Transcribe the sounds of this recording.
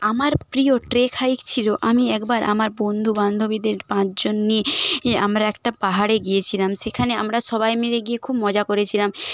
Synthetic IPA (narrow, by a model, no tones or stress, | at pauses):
amaɾpɾioʈɾekʰaikt͡ɕʰiloʔamiɛkbaɾʔamaɾbond̪ʱuband̪ʱobid̪eɾpãt͡ɕʰd͡ʑonːieeʔamɾaɛkʈapaɦaɽeɡijet͡ɕʰilamʃekʰaneamɾaʃɔβajmeɾeɡiekʰubmɔd͡ʑakoɾet͡ɕʰilam